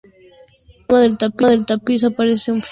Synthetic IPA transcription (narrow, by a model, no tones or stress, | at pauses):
maðelt̪apaðelt̪apisapaɾeθeuɱf